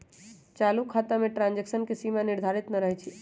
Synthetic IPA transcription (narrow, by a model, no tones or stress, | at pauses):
t͡ʃalukʰat̪ameʈɾãnd͡ʒeksənkesimaniɾd̪ʱaɾit̪nəɾəɦɛt͡ʃʰi